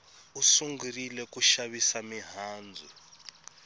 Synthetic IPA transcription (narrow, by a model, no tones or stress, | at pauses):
usuŋɡurilɛkʼuʃaβisamiɦaːnd͡zʱṵ